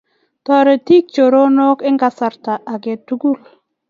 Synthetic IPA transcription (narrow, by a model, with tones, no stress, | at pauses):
tɔ˨ɾe˨ti˦k̚t͡ʃo˨ɾo˦nɔ˦kɪ˦ŋɡa˨sa˨ɾta˨ʔa˨ɡɛ˨tu˦ɡu˦˨l